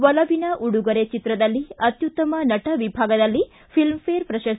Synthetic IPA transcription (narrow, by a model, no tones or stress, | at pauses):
ʋɐlɐʋinɐʔuɽuɡɐɾet͡ʃit̪ɾɐd̪ɐlːiɐt̪jut̪ːɐmɐnɐʈɐʋibʱaːɡɐd̪ɐlːi | pʰilmpeːɾpɾɐʃɐs